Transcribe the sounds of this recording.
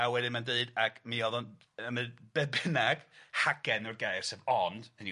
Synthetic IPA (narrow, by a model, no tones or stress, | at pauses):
awɛdɪnmandeɨdakʰmiɔðɔn | əməb̥ɛbɪnaɡ̥haɡ̥ɛnɔrɡajrsɛvɔnd̥əni